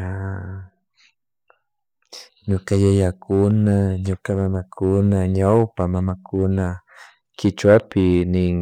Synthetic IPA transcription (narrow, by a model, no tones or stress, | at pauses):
a | ɲokajajakʊnaɲokamamakʰʊnaɲawpamamakʊna | kɪt͡ʃwapɪnɪ